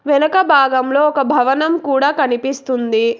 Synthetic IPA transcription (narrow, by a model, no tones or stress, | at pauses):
ʋɛnɐkɐbʱaːɡɐmlo̞ːɔkɐbʱɐʋɐnɐmkuːɽaːkɐnipist̪und̪i